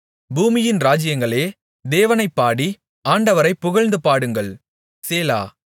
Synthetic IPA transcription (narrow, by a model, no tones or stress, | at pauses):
buːmɪjɪnɾaːd͡ʒɪjɐŋɡɐɭeː | d̪eːʋɐnɐɪpːaːɽi | aːɳɖɐʋɐɾɐɪpːʊɣɐɭnd̪ɯpaːɽɯŋɡɐɭ | seːla̰ː